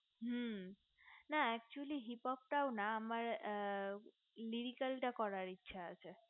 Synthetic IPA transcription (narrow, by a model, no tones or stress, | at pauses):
ɦə | naɛk̚t͡ʃuəliɦipɔp̚ʈawnaːmaɾ | liɾikalʈakɔɾaɾitːʃʰaːt͡ʃʰe